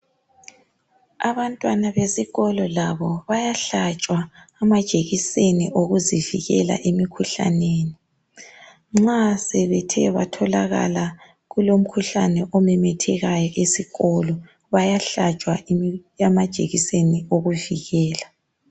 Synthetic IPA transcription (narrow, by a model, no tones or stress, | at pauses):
aβantʼwanaβesiɣɔlɔlaβɔβajaɬat͡ʃʼwaːmad̥ʒ̥ʱʼeɣiseniʔoɣuziviɣɛ̰la̰ʔemikʰuɬa̰neːni | ŋ͡ǁasɛβɛtʰɛβa̰tʰɔlaɣa̰la | ɣulom̩kʰuɬanɛʔɔmɛmɛtʰɛɣajɔʔesiɣɔlɔ | βajaɬat͡ʃʼwaamad̥ʒ̥ʱʼeɣisenioɣuviɣɛːla